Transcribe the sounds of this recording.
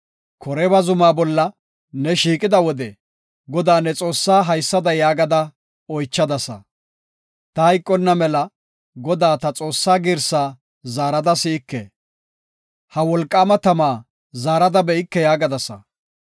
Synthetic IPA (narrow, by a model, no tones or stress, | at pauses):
kʰɔɾɛbɐzʊmaːbɔlːɐ | nɛʃiːkʼɪd̪ɐwɔd̪ɛ | ɡɔd̪aːnɛt͡sʼo̞ːsːaːɦɐjsːɐd̪ɐjaːɡɐd̪ɐ | ɔjt͡ʃːɐd̪ɐsɐ̰ | t̪ɐhɐjkʼːɔnːɐmɛlɐ | ɡɔd̪aːt̪ɐt͡sʼo̞ːsːaːɡɪɾsaː | zaːɾɐd̪ɐsɪːkːɛ̰ | hɐwɔlkʼːaːmɐt̪ɐmaː | zaːɾɐd̪ɐbɛɪkːɛjaːɡɐd̪ɐsɐ̰